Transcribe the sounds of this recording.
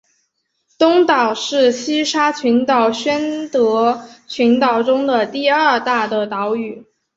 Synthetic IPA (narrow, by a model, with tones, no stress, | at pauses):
t̪ʊ˥ŋt̪ɑ˨˩ʊʂɻ̩˥˩ɕi˥ʂa˥t͡ɕʰy˧˥nt̪ɑ˨˩ʊɕɥɛ˥nt̪ɤ˧˥t͡ɕʰy˧˥nt̪ɑ˨˩ʊʈ͡ʂʊ˥ŋd̪ə˨t̪i˥˧ɐ˥˧t̪a˥˩d̪ə˩t̪ɑ˧˥ʊy˨˩˦